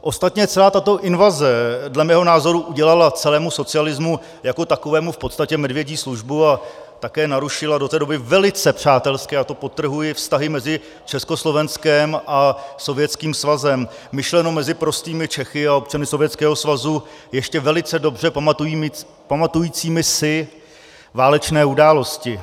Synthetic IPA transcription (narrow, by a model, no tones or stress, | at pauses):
ʔost̪at̪ɲɛt͡sɛlaːt̪at̪o̞ʔɪnvazɛdlɛmɛːɦo̞naːzo̞ɾuʔuɟɛlalat͡sɛlɛːmuso̞t͡sɪalɪzmu | jako̞t̪ako̞vɛːmufpot̪st̪acɛmɛdvjɛɟiːsluʒbuat̪akɛːnaɾuʃɪladot̪ɛːdo̞bɪvɛlɪt͡sɛpr̝̥aːt̪ɛlskɛːat̪opo̞t̪ːr̩ɦujɪfst̪aɦɪmɛzɪ | t͡ʃɛsko̞slo̞vɛnskɛmʔaso̞vjɛtt͡skiːmsvazɛmː | ɪʃlɛno̞mɛzɪpɾo̞st̪iːmɪt͡ʃɛxɪao̞pt͡ʃanɪso̞vjɛtt͡skɛːɦo̞svazujɛʃcɛvɛlɪt͡sɛdo̞br̝ɛpamat̪ujiːm | pamat̪ujiːt͡siːmɪsɪ | vaːlɛt͡ʃnɛːudaːlo̞scɪ